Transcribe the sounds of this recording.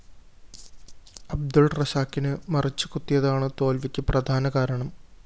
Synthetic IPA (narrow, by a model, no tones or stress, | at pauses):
ɐb̚d̪ulrɐɕaːkːinɨmɐrit͡ɕːɨkut̪ːijɐðaːɳɨt̪o̞ːlʋikʲːɨprɐd̪ʱaːnɐkaːɾɐɳɐm